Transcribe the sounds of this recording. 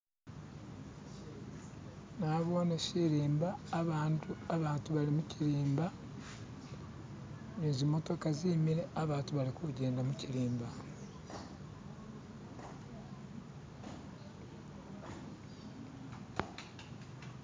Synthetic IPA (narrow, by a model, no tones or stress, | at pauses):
naβoːnesiɾiːmbaːβaːntuaβaːntuβalimuciɾiːmba | neːzimo̞to̞kaziːmiɾe̞aβaːntuβalikuɟe̞ːndamuciɾiːmba